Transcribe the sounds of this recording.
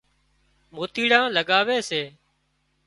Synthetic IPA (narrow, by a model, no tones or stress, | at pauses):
moːt̪iːɽãːləɠaːʋeːseː